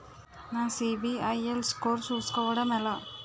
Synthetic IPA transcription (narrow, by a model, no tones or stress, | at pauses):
nãːsibiɐjelskoːɾsuːskɐʋɐɽɐmɛlɐ